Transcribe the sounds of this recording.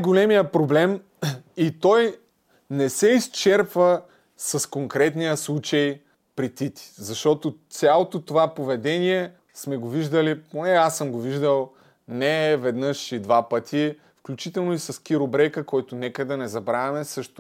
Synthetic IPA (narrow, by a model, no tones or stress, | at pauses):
ɡolɛmijəpɾoblɛm | it̪ɔj | nɛsɛist͡ʃɛɾpvə | sɐskoŋkɾɛt̪nijəslˠut͡ʃəj | pɾit̪it̪i̥zɐʃt̪ɔt̪ot̪sʲalˠot̪ot̪ovapovɛd̪ɛniɛ | smɛɡoviʒd̪əliponɛasəmɡoviʒd̪əlˠ | nɛːvɛd̪nəʃid̪vapət̪ʰi | fklʲut͡ʃit̪ɛlˠnoisɐsk̟ʲiɾobɾɛkəkɔjt̪ʊnɛkəd̪ɐnɛzɐbɾavʲɛmɛsəʃt̪ʊ